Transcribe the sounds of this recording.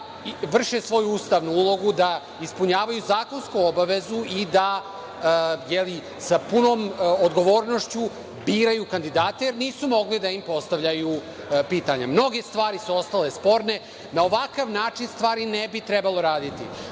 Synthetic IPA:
ʋr̩ʃesʋo̞juuːst̪aʋnuulˠo̞ɡud̪a | ispuɲaːʋajuzaːko̞nskuobaʋe̞zuʔid̪a | jeli | sapuno̞ːmod̪ɡo̞ʋo̞ːɾno̞ʃt͡ɕu | biːɾajukand̪id̪aːt̪ejeɾniːsumo̞ɡlid̪aimpo̞st̪aʋʎaju | piːt̪aɲamno̞ɡe̞st̪ʋaːɾisuo̞st̪alespo̞ɾne̞ | nao̞ʋakaʋnaːt͡ʃinst̪ʋaːɾinebit̪ɾɛbalˠo̞ɾaːd̪it̪ḭ

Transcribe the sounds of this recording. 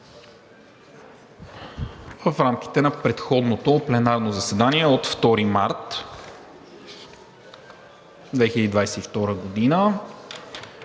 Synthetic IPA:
vəfɾamk̟ʲi̥t̪ɛnɐpɾɛt̪xɔd̪not̪oplɛnaɾnozɐsɛd̪aniɛot̪ft̪ɔɾimaɾt̪ | d̪vɛxɪlʲəd̪id̪vajsɛift̪ɔɾəɡod̪inə

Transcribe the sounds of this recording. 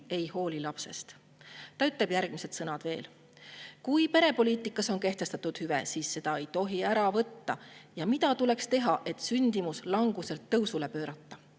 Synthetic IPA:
e̞jho̞ːlilɑpse̞̰st̪ | t̪ɑyt̪ːˑle̞b̥jærɡ̥mise̞d̪̥sɤnɑd̪ve̞̰ːl | kujpe̞ɾe̞po̞liːt̪ˑikːˑɑso̞nke̞ht̪e̞st̪ɑt̪ːˑud̪̥hyvḛsiːsːe̞d̪̥ɑe̞jt̪o̞ɦiæɾɑvɤt̪ːɑjɑmit̪ɑt̪ule̞kst̪e̞ɦɑʔe̞t̪ˑsynʲd̪̥imuslɑŋɡ̥use̞lt̪ːɤwsule̞pøːɾɑt̪ːɑ

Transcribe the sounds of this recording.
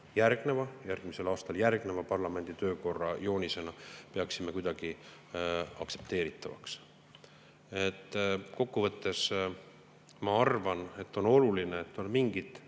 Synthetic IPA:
jærɡ̥ne̞vɑjærɡ̥mise̞lɑːst̪ɑljærɡ̥ne̞vɑpɑrlɑme̞nd̪̥it̪ø̞ːko̞rːɑjo̞ːnise̞nɑpe̞ɑksime̞kujd̪ɑɡ̥i | ɑ̰kse̞pt̪eːɾit̪ːˑɑvɑ̰ks | et̪ːko̞kːuvɤ̞t̪ːe̞s | mɑɑrvɑne̞t̪ːo̞no̞lulineːt̪ːo̞nmiŋɡ̥it̪

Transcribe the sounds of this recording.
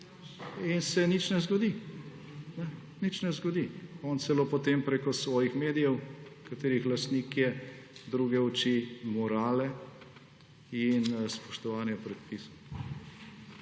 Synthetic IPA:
insɛnit͡ʃnɛzɡɔd̪i | nɛ | nit͡ʃnɛzɡɔd̪iɔːnt̪sɛloːpɔt̪eːmpɾekɔsʋɔːjixmeːd̪ijɛwkat̪eːɾixlast̪nikjɛd̪ɾuːɡɛɔt͡ʃimɔɾaːlɛ | inspɔʃt̪ɔʋaːnjɛpɾɛt̪̚pisɔ

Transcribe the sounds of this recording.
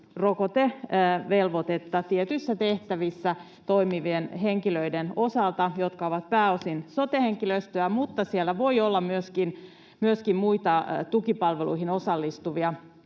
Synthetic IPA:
rokot̪eʋelʋot̪et̪ːɑt̪iet̪ysːæt̪eht̪æʋisːæ | t̪o̞imiʋienɦeŋkiløidenosɑlt̪ɑjot̪kɑoʋɑt̪̚pæːosinsot̪eheŋkiløst̪øæmut̪ːɑsielːæʋo̞iolːɑmyøskin | myøskimmuit̪ɑt̪ukipɑlʋelṵihinosɑlːist̪uʋiɑ

